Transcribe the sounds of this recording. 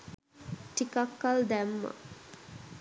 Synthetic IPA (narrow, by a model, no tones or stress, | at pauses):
ʈikakːald̪æmːə̰